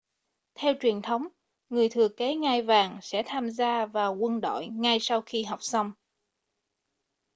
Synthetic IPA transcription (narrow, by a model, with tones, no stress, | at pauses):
t̪ʰɛ˧wt͡ɕwi˨˩ənt̪ʰə˨˦wŋ͡m | ŋɨ˨˩əjt̪ʰɨ˨˩əke˨˦ŋa˧jvaː˨˩ŋsɛ̰˧˥t̪ʰaː˧mzaː˧vaː˨˩wkwə˧nɗo̰˧˨jŋa˧jsa˧wxi˧ɦa˨˩wk͡p̚sa˧wŋ͡m